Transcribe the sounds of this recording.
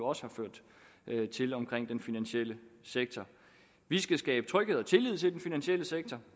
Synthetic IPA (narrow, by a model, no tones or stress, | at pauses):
oɒ̽səhɑ̈føɐ̰d̥ | t͡sʰe̝lɒ̽mkʰʁeŋ̰d̥enfinænɕel̰əseɡ̥̚t͡sʰɒ | ʋisɡ̥æsɡ̥ɛːb̥ə̥t͡sʰʁœɡ̥heðˠɒt͡sʰe̝lið̞̰ˠt͡sʰe̝ld̥enfinænɕeləseɡ̥̚t͡sʰɒ